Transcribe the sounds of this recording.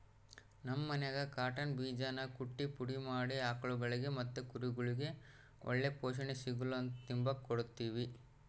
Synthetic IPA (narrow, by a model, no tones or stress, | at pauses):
nɐmːɐnɛɡɐkaːʈɐnbiːd͡ʒanɐkuʈːipuɽimaːɽiaːkɐɭuɡɐɭiɡe̞mɐt̪ːukuɾuɡuɭiɡe̞ | ɔ̰ɭːepoːʃ̬ɐɳesiɡulont̪imbɐkːoɔɽut̪ːiːʋi